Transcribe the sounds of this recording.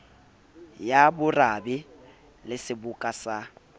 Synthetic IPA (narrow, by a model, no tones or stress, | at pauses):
jabʊrabɪ | lɪsɪbʊkʼasa